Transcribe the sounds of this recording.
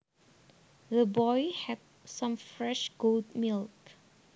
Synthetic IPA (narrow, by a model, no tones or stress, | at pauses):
ðəbɔjhɛt̚ | sãmfɹɛʃɡ̥oldmilk